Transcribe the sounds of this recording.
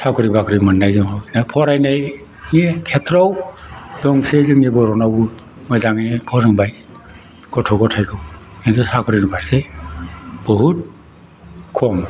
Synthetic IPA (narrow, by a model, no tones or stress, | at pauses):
sakʰuɾibakʰɾimɯnːajzɔŋawnapʰɔɾajnaj | nikʰɛtʰɾɔwd̥ɔŋsezɯŋnibɔɾɔnabu | mɔjzaŋnibʰɔzɯŋbaj | ɡ̥ɔtʰɔɡɔtʰajkʰɯwkintʰusakʰuɾinubʰʱaɾse | bɔɦut̚ | kʰɔm